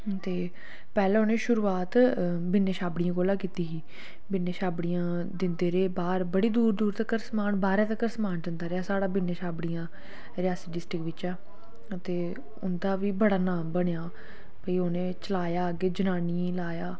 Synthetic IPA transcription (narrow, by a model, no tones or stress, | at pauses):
t̪eː | pɛːlɛ̃ːʊnẽːʃʊɾuːaːt̪ | bɪnːeːʃaːbɽɪijãːkoːlãːkiːt̪iːɦiː | bɪnːeːʃaːbɽɪjãː | d̪ɪnd̪eːɾeːbaːɾbəɽiːd̪uːɾd̪uːɾt̪əkːəɾsəmaːnbaːɾɛ̃ːt̪̬əkːəɾsəmaːnd͡ʒənd̪aːɾeaːsaːɽaːbɪnːeːʃaːbɽijãː | ɾɪjaːsiːɖɪsʈɾɪkʋɪt͡ʃaː | ət̪eː | ʊnd̪aːʋiːbəɽaːnaːmbəɽejaː | pəiːoːnẽːt͡ʃəlaːjaːɡeːd͡ʒənaːniːlaːjaː